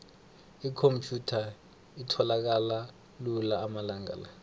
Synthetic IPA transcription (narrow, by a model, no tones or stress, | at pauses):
ikʰompʰjutʰa | itʰɔlak̬ala | lulaːmalaŋa̰la